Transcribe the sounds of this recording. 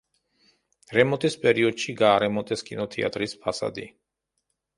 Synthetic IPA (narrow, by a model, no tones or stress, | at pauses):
ɾɛmɔt̪ʼispʼɛɾiɔd̪̥ʃiɡaːɾɛmɔt̪ʼɛskʼinɔt̪ʰɛa̰t̪ʼɾispʰasa̰d̪ḭ